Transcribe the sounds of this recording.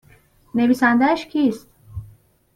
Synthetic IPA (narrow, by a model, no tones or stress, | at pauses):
ne̞viːsænd̪æʃcʰiːst̪